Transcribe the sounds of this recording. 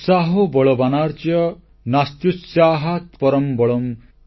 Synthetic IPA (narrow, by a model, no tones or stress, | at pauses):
saɦobɔɭɔbanaɾt͡ʃjɔ | nast̪jusjaːɦat̪pɔɾɔmbɔɭɔm